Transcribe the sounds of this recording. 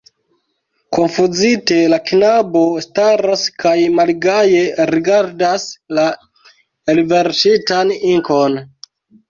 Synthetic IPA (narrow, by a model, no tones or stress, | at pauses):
konfuzite̞lakinabo̞staɾaskajmalɡaje̞ɾiɡaɾdasla | elve̞ɾsitaniŋko̞n